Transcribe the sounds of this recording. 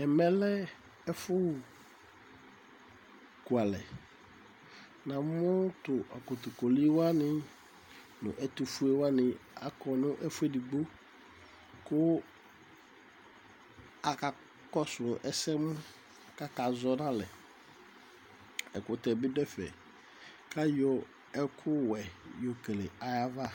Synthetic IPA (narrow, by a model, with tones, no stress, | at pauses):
ɛ˨mɛ˦lɛ˦ | ɛ˦fʊ˦˨ | ku˨a˨lɛ̰˨ | nã˨mʊ̃˦tʊ˨ʔa˨kʊ˨tʊ˨kɔ˨li˦wa˦nɪ̃˦ | nʊ̰̃˨ʔɛ˨t̪u˨fu˦e˦wa˦nɪ̃˨a̰˦kɔ˨nʊ̃˦ʔɛ˦fʊ˦e˦di˨ɡ͡bo˦ | kʊ˦ | a˨ka˨ | kɔ˦sʊ˨ʔɛ˦sɛ˦mʊ˦ | ka˦ka˨zɔ˦nã˦lɛ˨ | ɛ˨kʊ˨tɛ˨bɪ˦dɛ˦fɛ̰˨ | kʰa˦jɔ˦ | ɛ˦kʰʊ˦wɛ˨jo˨ke˨le˨a˨ja˦va˦